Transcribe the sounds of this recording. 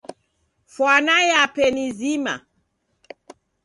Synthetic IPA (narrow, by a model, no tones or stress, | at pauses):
fwanajapɛnizima̰